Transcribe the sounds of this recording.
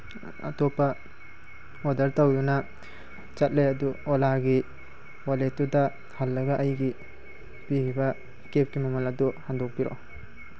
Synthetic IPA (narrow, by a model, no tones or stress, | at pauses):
ɐ̰topɐ | odɐɾtɐwdunɐ | t͡ʃɐt̚lejɐduolaɡi | waletudɐ | halːɐɡɐʔɐjɡi | pihibɐ | kep̚kimɐmɐlɐduhandok̚piɾo̰